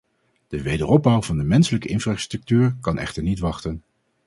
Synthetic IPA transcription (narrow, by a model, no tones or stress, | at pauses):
d̥əʋejdərɔb̚bʌwvɑndəmɛnsələkəʔɪnfraːstrɵk̚tyːɹkɑnɛ̰χtəɹnitʋɑχtən